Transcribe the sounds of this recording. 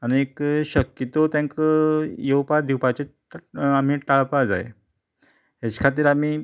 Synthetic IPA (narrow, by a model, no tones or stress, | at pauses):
añiekɕəkjət̪ot̪jãŋkəjewpad̪iwpat͡ɕe | am̤iːʈaɭpad͡za̰j | ɦjat͡ɕkʰat̪iːɾam̤iː